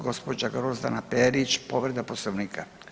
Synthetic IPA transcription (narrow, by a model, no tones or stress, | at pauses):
ɡo̞spod͡ʒaɡɾozd̪a̰napeɾit͡ʃpoʋɾed̪aposloʋniːkʰa